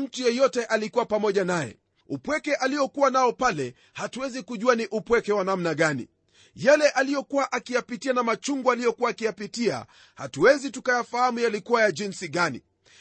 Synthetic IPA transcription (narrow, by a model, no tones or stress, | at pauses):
m̩tujɔjɔtɛʔalikuwapamɔʄanajɛ̰ | upwɛkɛʔalijɔkuwanaɔpalɛ | hatuwɛzikuʄuaniʔupwɛkɛwanamnaɠanḭ | jalɛʔalijɔkuwaʔakijapitianamat͡ʃuŋɡualijɔkuwaːkijapitia̰ | ha̰tuwɛzitukajafahamujalikuwajaʄinsiɠanḭ